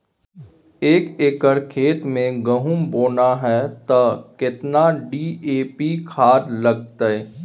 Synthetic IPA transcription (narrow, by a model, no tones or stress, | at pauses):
eːkeːkəɾkʰeːt̪mẽɡəɦũmboːnaɦɛːt̪ɐkɪt̪naɖiːeːpikʰaːd̪ləɡ̚t̪aɛː